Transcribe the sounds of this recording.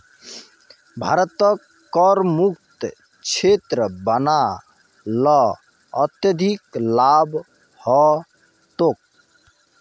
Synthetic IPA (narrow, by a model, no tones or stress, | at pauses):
bʱa̰ɾt̪ɔkː | ɔɾmuk̚t̪ | t͡ʃʰet̪ɾəbəna | lɔ | ʌt̪jəd̪ʱiklab | hɔ | t̪ok̚